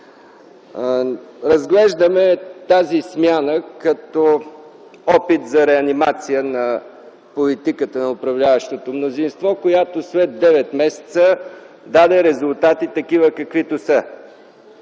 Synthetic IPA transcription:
ɾɐzɡlɛʒd̪əmɛt̪azismjanəkɐt̪ɔ | ɔpit̪zɐɾɛɐnimat̪sijənɐ | polit̪ikət̪ənɐʊpɾɐvlʲavəʃt̪ot̪omnozinst̪vɔkojat̪osvɛd̪̚d̪ɛvɛt̪mɛsɛ̥t̪sə | d̪ad̪ɛɾɛzʊlˠt̪at̪it̪ɐkivəkɐkvit̪osə

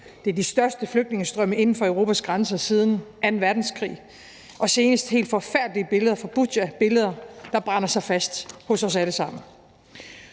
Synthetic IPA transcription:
d̥e̝æɐd̥isd̥ɶɐsd̥əfløɡ̥̚dne̝ŋəsd̥ʁœməe̝nn̩fɒ̽œʊʁo̝ːpʰæsɡ̥ʁɑnsɐsið̞ˠn̩ʔæɐe̝nʋæɐd̥n̩skʰʁḭː | ʔɒ̽se̝ːnəsd̥he̝̰ːld̥fɒ̽fæɐd̥liəb̥e̝ləð̞ˠɐfɒb̥u̥æb̥e̝ləð̞ˠɐd̥ɑ̈b̥ʁɑ̈n̰ɐsɑ̈ɪfæsd̥hɔ̽sɒ̽s̬æləsɑ̈m̰n̩

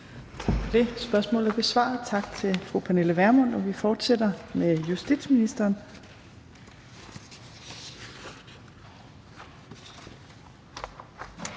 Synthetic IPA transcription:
d̥e̝sb̥ɶɐsmɔ̰̽ːlˠæɐb̥e̝sʋɑ̰̈ð̩ˠt͡sʰɑ̈ɡ̥t͡sʰe̝fʁupʰæne̝ləʋæɐmɔn̰ɒ̽ʋifɒːd̥sed̥ɐmejusd̥ḭd̥sminisd̥ɐːn

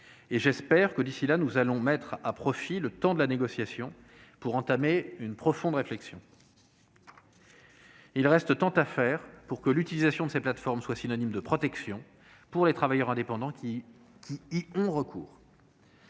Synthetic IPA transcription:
eʒɛspɛʁkəd̪isilanuzalɔ̃mɛt̪χapχɔfilət̪ɑ̃d̪əlaneɡɔsjasjɔ̃ | puʁɑ̃t̪ameynpχɔfɔ̃d̪ʁeflɛksjɔ̃ | ilʁɛst̪t̪ɑ̃t̪afɛʁpuʁkəlyt̪ilizasjɔ̃d̪əseplat̪fɔʁmswasinɔnimd̪əpχɔt̪ɛksjɔ̃ | puʁlet̪χavajœʁɛ̃d̪epɑ̃d̪ɑ̃ | kʲʰiːɔ̃ʁəkʰṵːʁ

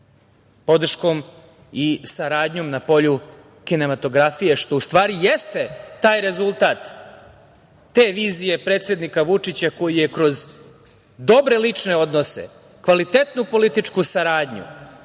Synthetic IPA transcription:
po̞d̪r̩ʃko̞m | isaɾaːd̪ɲo̞mnapo̞ʎu | kine̞mat̪o̞ɡɾafijeʃt̪o̞ust̪ʋaːɾijest̪e̞t̪aːjɾe̞zulˠt̪aːt̪ | e̞ːʋiːzije̞pɾe̞ːt̪sʲe̞d̪nikaʋut͡ʂit͡ɕako̞jije̞kɾo̞z | d̪o̞bɾe̞lit͡ʂne̞o̞d̪no̞se̞̰ | kʋalit̪e̞t̪nupo̞lit̪it͡ʂkusaɾaːd̪ɲṵ

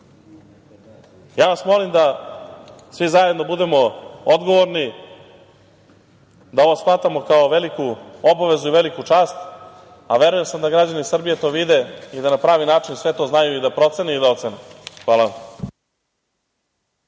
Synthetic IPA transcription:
jaːnasmo̞limd̪a | sʋizajed̪no̞bud̪e̞mo̞od̪ɡo̞ʋoɾni | d̪ao̞ʋoslat̪amo̞kaoʋe̞likuobaʋe̞zuiʋe̞likut͡ʂaːst̪ | aʋe̞ɾuje̞msamd̪aɡɾad͡ʑanisr̩bijet̪o̞ʋid̪e̞id̪anapɾaːʋinaːt͡ʂinsʋe̞t̪o̞ːznajuid̪apɾo̞t̪seneid̪ao̞t̪senexʋaːlaʋa

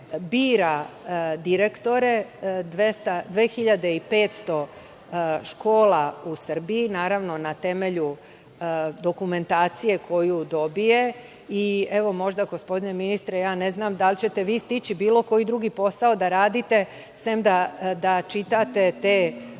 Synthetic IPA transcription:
biːɾad̪iɾe̞kt̪o̞ɾe̞d̪ʋest̪ad̪ʋeːxiʎad̪e̞ipe̞ːt̪st̪o̞ | ʃko̞ːlausr̩biinaːɾaʋno̞nat̪e̞me̞ʎu | d̪o̞kume̞nt̪aːt̪sije̞kʰo̞jud̪o̞bije̞ | ie̞ʋo̞mo̞ʒd̪aɡospo̞d̪ine̞minist̪ɾejaːne̞znaːmd̪alt͡ɕe̞t̪e̞ʋiːst̪it͡ɕibiːlo̞ko̞jid̪ɾuɡipo̞saod̪aɾaːd̪it̪e̞ | semd̪ad̪at͡ʃit̪at̪e̞t̪eː

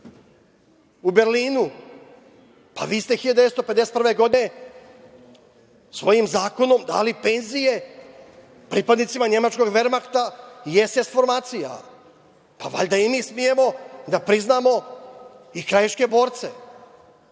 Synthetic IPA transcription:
ube̞ɾliːnu | pa̰ʋiːst̪exiʎad̪eest̪ope̞d̪eset̪prʋe̞ɡo̞d̪ine̞ | sʋo̞jimzaːko̞no̞md̪a̰ːlipe̞nzije̞ | pɾiːpad̪nit̪simaɲe̞mat͡ʃko̞ɡʋe̞ɾmakt̪ajest̪esfo̞ɾmaːt̪sija̰ | paʋa̰ʎʲd̪aimiːsmije̞mo̞d̪apɾiznaːmo̞ | ikɾajeʃke̞bo̞ːɾt̪se̞

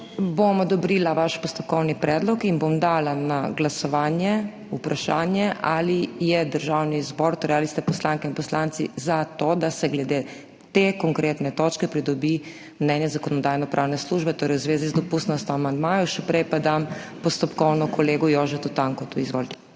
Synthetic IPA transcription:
bomɔd̪ɔbɾiːlaʋaʃpɔst̪ɔp̚kɔwnipɾɛd̪lɔkinbomd̪aːlanaɡlasɔʋaːnjɛ | upɾaʃaːnjɛʔalijɛd̪əɾʒawnizbɔːɾt̪oɾɛjalist̪ɛpɔslaŋkɛinpɔslant̪sḭzat̪oːd̪asɛɡlɛd̪e | t̪eːkɔŋkɾeːt̪nɛt̪ot͡ʃkɛpɾid̪ɔbi | mnɛnjɛzakɔnɔd̪aːjnɔpɾʔaːwnɛsluːʒbɛt̪oːɾɛjwuzʋeːzizd̪ɔpust̪nɔst̪jɔamand̪maːjɔʃɛpɾɛjpad̪ampɔst̪ɔpkɔwnɔkʰɔleːɡɔjoːʒɛt̪ut̪aŋkɔt̪uizʋo̰ːlt̪ɛ̥

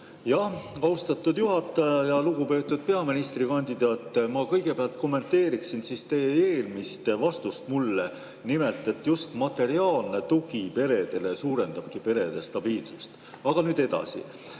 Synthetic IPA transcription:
jɑhɑwst̪ɑt̪ːˑud̪juɦɑt̪ːˑɑjɑjɑluɡupe̞ːt̪ːˑud̪̥̚pe̞ɑminist̪rikɑnʲd̪̥id̪̥ɑːt̪ːˑmɑkɤjɡe̞peɑlt̪̚ko̞mːe̞nt̪ːe̞ːɾiksinsist̪e̞jeeːlmist̪vɑst̪ust̪mulːe | nime̞lt̪ˑe̞t̪ːjust̪mɑt̪ːˑe̞ɾiɑːlne̞t̪uɡ̥ipe̞ɾe̞d̪e̞lesuːɾe̞nd̪̥ɑb̥kipe̞ɾe̞d̪̥est̪ɑb̥iːlsust̪ | ɑɡ̥ɑnyːd̪̥e̞d̪ɑ̰sḭ

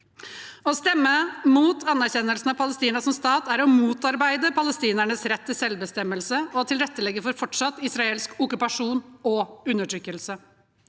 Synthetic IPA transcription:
ɔst̪ɛmːəmuːt̪ʰɑnːæɾɕɛnːəlsn̩ɑʋpʰɑləst̪iːnəsɔmst̪ɑːt̪æɾɔmuːt̪ɑɾbæɪd̪əpʰɑləst̪iːnæɳəsɾɛt̪ʰːɪlsɛlbəst̪ɛmːəlsəɔt̪ʰɪlɾɛt̪ːəlɛɡəfɔɾfɔʈʂɑt̪ːɪsɾɑeːlskʊkʉpɑʂuːnɔʉnːəʈʰɾʏkːəlsə

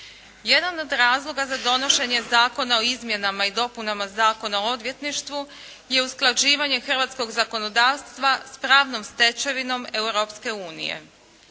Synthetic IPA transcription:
je̞d̪ano̞d̪ɾaːzlˠo̞ɡazad̪o̞no̞ʃe̞ɲe̞zaːko̞nao̞izmje̞namaid̪o̞punamazaːko̞naoo̞d̪ʋje̞t̪niʃt̪ʋu | je̞usklˠad͡ʑiːʋaɲe̞xr̩ʋat̪sko̞ɡzako̞no̞d̪aːʋst̪ʋaspɾaːʋnomst̪e̞t͡ʃe̞ʋino̞me̞uɾopske̞uːnḭje̞̰

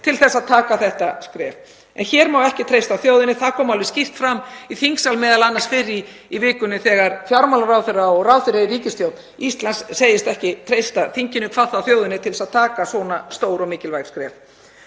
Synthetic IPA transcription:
t̪ʰɪlθɛsːaðt̪ʰaːkaθɛht̪askɾɛ̰ːv | ɛ̰nçɛɾmawɛhcɪt̪ʰɾejst̪awθjoːwðɪnɪθaðkʰɔːmalvɪscift̪fɾamiθiŋksalmɛːðalanːasfɪrːɪ | ivɪːkʏnːʏθɛːɣaɾfjaɾmalaɾawθfɪraɔɣrawθɪɾɛɾiɾiːcɪst̪jowt̪ | ist̪lansseːjɪst̪ɛhcɪt̪ʰɾejst̪aθiɲcɪnʏkʰvaθawθjoːwðɪnɪt̪ʰɪlsaðt̪ʰaːkasɔːnast̪oːwɾɔmɪːcɪlvajɾ̥skɾɛ̰ːf

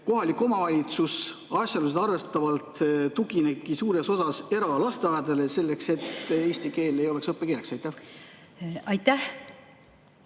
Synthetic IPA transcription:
ko̞ɦɑlʲikːˑo̞mɑvɑlʲit̪sus | ɑsʲjɑlus̬e̥ɑrve̞st̪ɑvɑlt̪t̪ːuɡine̞b̚kisuːɾe̞so̞sɑse̞ɾɑlɑst̪eɑjed̪ɑle̞se̞lːe̞kse̞t̪e̞ːsʲt̪ike̞ːle̞jo̞le̞ksɤpːeke̞ːleksɑjt̪ːæh | ɑjt̪ːæh

